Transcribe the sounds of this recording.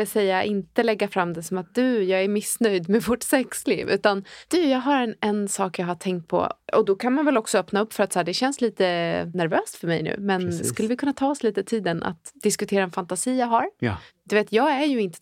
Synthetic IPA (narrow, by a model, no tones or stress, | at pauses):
ɛsɛjːaʔɪnt̪əlɛɡːafɾamːd̪ɛsɔmat̪̚d̪ɵjɑːɡæɾmɪsnœjd̪mɛvɔʈsɛkslḭːvʉ̟ːt̪and̪̥ɵjɑːɡɦaɾɛnɛnsɑːkjɑːɦaʈ̪ʰɛŋk̚t̪̚pʰɔ̰ɔ̰d̪ɔkʰanmanvɛlɔksɔœpnaɵpːfœɾat̪sæːɖɛɕɛnsliːt̪ənæɾvøːst̪fœɾmɛ̰jnʉ̟̰ːmɛnd̪ɛskɵlːəvɪkʰɵnːat̪ʰɑːɔsliːt̪ət̪ʰiːd̪ənʔa̰t̪d̪ɪskɵt̪ʰeːɾaɛnfant̪asiːjɑːɦaɾd̪̥ɵveːt̪jɑːɡæɾjɵɪnt̪ə